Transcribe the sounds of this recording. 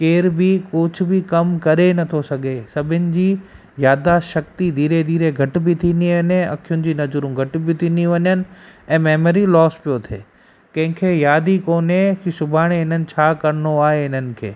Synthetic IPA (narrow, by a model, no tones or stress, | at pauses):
keːɾbɪkʊd͡ʑʰʱʊ̆bɪkɐmkɐɾenɐt̪ʰosɐɡʱesɐbʱɪnɪ̆d͡ʑiː | jaːd̪aʃɐk̚t̪id̪ʱiːɾed̪ʱiːɾeɡʱɐʈɪ̆bɪt̪ʰĩːnd̪iʋɐɲẽɐ̰kʰijʊnɪ̆d͡ʑiːnɐd͡ʑʊɾũɡʱɐʈ̆bɪt̪ʰĩːnd̪iʋɐɲənɪ̆ɛ̃ːmɛːməɾilɔːspijot̪ʰḛː | kɐ̃ɦɪ̃kʰeːjaːd̪ikoːneksʊbʱaːɽ̃eɦɪn̤ənɪ̆t͡ɕʰaːkɐɾɪnoaːɦeɪnənɪ̆kʰḛː